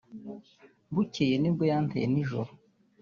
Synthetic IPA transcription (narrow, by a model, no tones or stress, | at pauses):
bucejenibɡojantḛjeniʒo̰ɾo